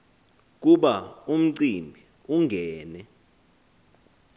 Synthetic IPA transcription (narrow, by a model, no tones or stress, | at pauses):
k̬uɓaum̩ǀimbʱi | uŋɡʱɛːnɛ